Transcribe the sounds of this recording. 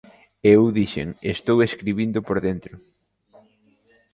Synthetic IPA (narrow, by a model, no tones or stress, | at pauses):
eewðiʃḛŋest̪oweskɾiβind̪ʊpoɾðent̪ɾʊ